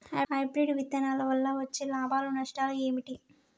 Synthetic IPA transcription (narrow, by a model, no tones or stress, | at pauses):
ɐɦɐjbɾeɖʋit̪ːɐnaːlɐʋɐlːɐʋɐt͡ʃːelaːbaːlunɐʂʈaːlueːmiʈi